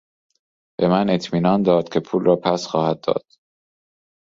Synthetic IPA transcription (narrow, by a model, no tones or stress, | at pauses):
be̞mæne̞t̪ʰmiːnɒːnd̪ɒːd̪̥cʰʲe̞pʰuːlrɒːpʰæsxɒːhæd̪ːɒ̰ːd̪̥